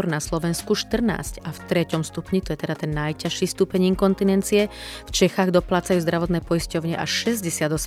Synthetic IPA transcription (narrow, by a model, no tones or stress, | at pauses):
ɔɾnaslɔʋɛnskuʃt̪r̩na̰ːscaft̪ɾɛcɔmst̪upɲit̪ɔjɛt̪ɛd̪at̪ɛnːajcaʃiːst̪uːpɛɲiːŋkɔnt̪inɛnt͡siɛft͡ʃɛxaːɣd̪ɔplaːt͡sajuːzd̪ɾaʋɔt̪nɛːpɔjiscɔʊɲɪɛʔaʃʃɛzɟɛsɪad̪ɔsɛ